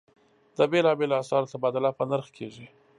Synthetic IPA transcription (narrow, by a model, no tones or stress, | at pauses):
d̪əbelɑbelasɑɾat̪abɑd̪alapanaɾxkʰeʐi